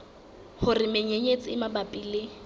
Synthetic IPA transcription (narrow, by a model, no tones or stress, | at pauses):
hʊrɪmeɲeɲet͡sʼɪɪmabapʼiːlɪ